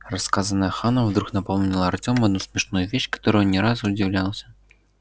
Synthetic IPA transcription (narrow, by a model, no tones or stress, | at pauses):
raskazɐnɐjɐxanɐwd̪ɾuknapɔwnʲilˠɐːrt͡sʲɔmɐd̪̚nusʲmʲɛʂnujuvʲeɕkḁt̪ɔɾujnʲɛɾazud͡zʲiwlʲalˠəsʲɐ̥